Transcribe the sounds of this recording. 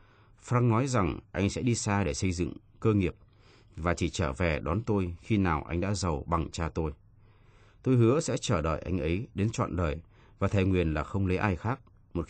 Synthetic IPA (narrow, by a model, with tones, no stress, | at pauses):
fɾaː˧ŋnɔ˨˦jza˨˩ŋʔa˧jŋ̟sɛ̰˧˥ɗi˧saː˧ɗe˧˩sə˧jzɨ̰˧˨ŋ | kəː˧ŋi˨˩əp̚ | vaː˨˩t͡ɕi˧˩t͡ɕəː˧˩vɛ˨˩ɗɔ˨˦nt̪o˧jxi˧naː˨˩wʔa̰˧jŋ̟ɗa̰ː˧˥zə˨˩wɓa˨˩ŋt͡ɕaː˧t̪o˧j | t̪o˧jɦɨ˨˦əsɛ̰˧˥t͡ɕəː˧˩ɗə̰ː˧˨jʔa̰˧jŋ̟ʔə˨˦jɗe˨˦nt͡ɕwa̰ː˧˨nɗəː˨˩j | vaː˨˩t̪ʰɛ˨˩ŋwi˨˩ənlaː˨˩xə˧wŋ͡mlə˨˦jʔaː˧jxaː˦˥k̚ | mo˨˩t̚